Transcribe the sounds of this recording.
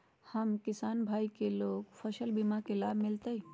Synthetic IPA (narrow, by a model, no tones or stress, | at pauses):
hɐmkɪsaːnbʱaːikeloːɡfʰɐʃəlbimakelaːbʱmɪlt̪ee